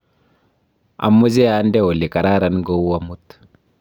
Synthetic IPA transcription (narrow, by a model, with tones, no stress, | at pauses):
a̰˨mːu˦ze˦a˨ndɛ˦o˨li˨ka˨ɾa˦ɾa˨nɡo˦wwa˦mu˦t̪